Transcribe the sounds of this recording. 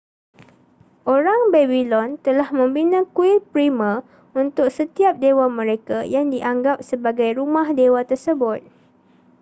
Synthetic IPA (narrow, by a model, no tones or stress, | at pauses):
ʔoɾaŋbebilɔnt̪əlahmə̃mbinãkuɪpɾimə̃ | unt̪ʊk̚sət̪iap̚dewamə̃ɾekajaŋdiʔaŋɡap̚səbaɡajɾumahdewat̪ərsəbʊt̪̚